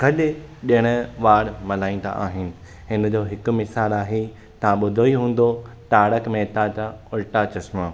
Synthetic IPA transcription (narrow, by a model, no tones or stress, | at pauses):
kɐɗɪɗiəɽ̃ʊ̆ʋaːɽmɐlaːĩːn̆d̪a̰ʔaːɦɪnɪ̆ | ɦɪnə̆d͡ʑoːɦɪkʊ̆mɪsaːlaːɦe | t̪ɐʋ̤ãɓʊd̪ʱoiɦũːn̆d̪o | ʈaːɽəkmẽt̪ãt͡ɕaʊlʈat͡ɕɐsmə